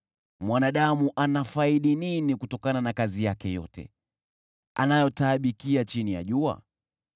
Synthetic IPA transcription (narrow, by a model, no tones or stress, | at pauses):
mwanaɗamuʔanafaiɗininikutɔkananakazijakɛjɔ̰tɛ̰ | a̰najɔtaɓikiat͡ʃinija̰ʄua̰